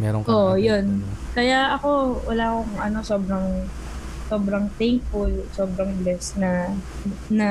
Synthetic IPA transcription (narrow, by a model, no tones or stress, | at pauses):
mɛɾoŋoʔjonkɐjaɐko̞wɐ̰laːkoŋʔɐno̞so̞ːbɾɐŋ | so̞ːbɾɐŋt̪ɛŋfʊlso̞ːbɾɐŋblɛsnɐ | nɐ